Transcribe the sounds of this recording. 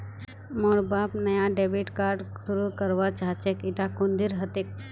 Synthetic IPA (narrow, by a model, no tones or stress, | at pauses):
moːɾbaːpnəjaɖebiʈkaːɾɖsuɾukəɾʋat͡ʃaɦt͡ʃekɪt̪akʊ̃nd̪iɾɦət̪ek̚